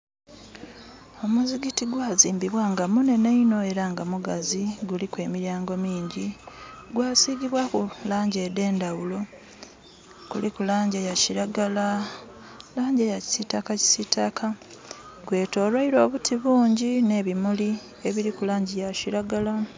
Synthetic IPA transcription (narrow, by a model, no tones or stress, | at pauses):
o̞muziɡitiɡwaːziːmbiβwaːŋɡamune̞neino̞e̞ɾaŋɡamuɡaziɡulikwe̞ːmiɾjaːŋɡo̞miːɲɟi | ɡwaːsiːɡiβwakulaːɲɟede̞ːndawulo̞ | kulikulaːɲɟejaciɾaɡala | laːɲɟejaci̥sitakaci̥sitakʰa | ɡwe̞ːto̞ːɾwaiɾo̞ːβutʰiβuːɲɟine̞βimuli | eβiɾikulaːɲɟejaciɾaɡala